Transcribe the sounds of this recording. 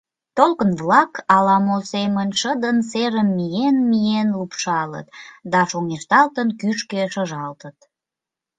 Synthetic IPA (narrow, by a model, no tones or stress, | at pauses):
t̪olkənvlɑkɑlɑmolsemənʃəd̪ənseɾəmːijenmijenlupʃɑlə̰t̪d̪ɑʃoŋeʃt̪ɑlt̪ənkyʃkeʃəʒɑlt̪ət̪̚